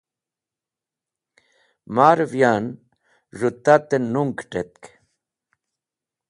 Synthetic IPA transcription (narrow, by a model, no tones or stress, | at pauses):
maːɾvjan | ʐut̪ːat̪enuŋkʈet̪̚k